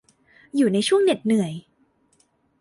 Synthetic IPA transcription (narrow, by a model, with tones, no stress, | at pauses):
juː˨˩na˧jt͡ɕʰu˥˩əŋne˨˩t̪̚nɯ˨˩əj